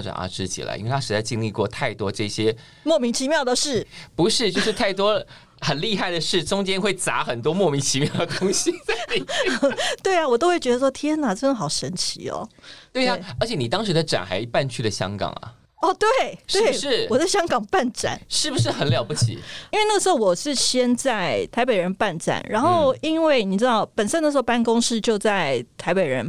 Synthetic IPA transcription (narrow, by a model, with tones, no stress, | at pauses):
ʈ͡ʂa̰˨˩nə̰˧˥˩ʈ͡ʂɻ̩˥˩t͡ɕḭ˨˩lə̰˩ʔi˥nwe˥˩a˥ʂɻ̩˧˥t͡sa˥˧ɪt͡ɕi˥˧ŋli˥˧kwɔ˥˧t̪ʰa˥˩ɪt̪wɔ˥ʈ͡ʂɤ˥˩ɕjɛ˥ | mwɔ˥˩mi˧˥ŋt͡ɕʰi˧˥mjɑ˥˩ʊd̪ə˩ʂɻ̩˥˩pu˧˥ʂɻ̩˥˧t͡ɕjo˥˧ʊʂɻ̩˥˧t̪ʰa˥˩ɪt̪wɔ˥ | xə˨˩nli˥˧xa˥˩ɪd̪ə˩ʂɻ̩˥˩ʈ͡ʂʊ˥ŋt͡ɕjɛ˥nxwe˥˩ɪt͡sa˧˥xə˨˩nt̪wɔ˥mwɔ˥˩mi˧˥ŋt͡ɕʰi˧˥mjɑ˥˩ʊd̪ə˩t̪ʊ˥ŋɕi˧˥t͡sa˥˧˥ | t̪we˥˩ɪa˨˩wɔ˨˩t̪o˥ʊwe˥˩ɪɥɛ˧˥d̪ə˧ʂwɔ˥t̪ʰjə˥na˨˩t͡snə˧˩xɑ˨˩ʊʂə˧˥nt͡ɕʰḭ˧˥ɔ̰˨˧t̪we˥˩ɪa˨ə˧˥t͡ɕʰjɛ˨˩˦ni˨˩t̪ɑ˥ŋʂɻ̩˧˥d̪ə˧ʈ͡ʂa̰˨˩nxa̰˧ɪi˧pa˥˧nt͡ɕʰy˥˩lə˩ɕjɑ̰˥ŋkɑ̰˨˩ŋɐ̰˩ | ɔ˥˧t̪we˥˩ɪtʂwe˥˩ɪʂɻ̩˥˩wɔ˨˩t͡sa˥˩ɕjɑ˥ŋkɑ˨˩ŋpa˥˧nʈ͡ʂa̰˨˩nʂɻ̩˥˩bu˩ʂ̬ɻ̩˥˩xə˧˥nljɑ˨˩ʊpu˥˩t͡ɕʰḭ˨˩˦i˥nwe˥˧ɪna˥˩əʂ̩˧˥xo˥˩ʊwɔ˨˩ʂɻ̩˥˩ɕjɛ˥nt͡sa˥˩ɪt̪ʰa˧˥ɪpe˨˩ɪɻə˧˥npa˥˩nʈ͡ʂa̰˨˩nɻa˧˦˥nxoo˥˩ʊi˦˥nwe˥˩ɪni˨˩ʈ͡ʂɻ̩˥t̪ɑ˥˩ʊpə˨˩nʂə˥n˧˥˩ʂɻ̩˧˥˧ʊpa˥˩nkʊ˥ŋʂɻ̩˥˧t͡ɕjo˥˧ʊt͡sa˥˩ɪt̪ʰa˧ɪpe˨˩ɪɻə̰˧˥n